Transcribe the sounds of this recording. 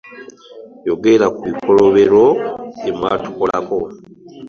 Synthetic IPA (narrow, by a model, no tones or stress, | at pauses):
jo̞ɡe̞ɾakuβiko̞lo̞βe̞ɾo̞emwa̰ːtu̥kolako̞